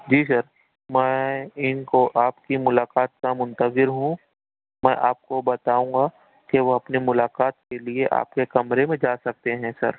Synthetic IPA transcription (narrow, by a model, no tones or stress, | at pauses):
d͡ʒiːs̬ɐɾ | mɛ̃ːɪnkoʔaːpkimʊlaːqaːt̪̚kamʊ̃nt̪əzɪɾɦũ | mɛ̃ːʔaːp̚kobɐt̪aːũːŋɡa | keʋoɐpnimʊlaːkaːt̪̚kelieʔa̰ːpkekɐmɾemẽd͡ʒaːsɐk̚t̪eɦɛ̃ːsɐ̰ɾ